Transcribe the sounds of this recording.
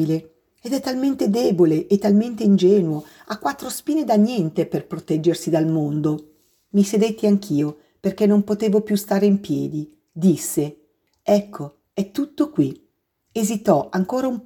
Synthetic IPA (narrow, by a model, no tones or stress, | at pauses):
ile | ed̪ɛt̪ːalment̪ed̪eːboleʔet̪ːalment̪eind͡ʒɛːnuo | akːwat̪ːɾospiːned̪anjɛnt̪eperpɾot̪ɛd͡ʒːersid̪almond̪o | mised̪et̪ːeaŋkʰiːo | perkɛnːompot̪eːvopjust̪aːɾeimpjɛːd̪i | d̪isːe | ɛkʰːo | ɛt̪ːut̪ːokwi | ezit̪ɔʔaŋkoːɾaum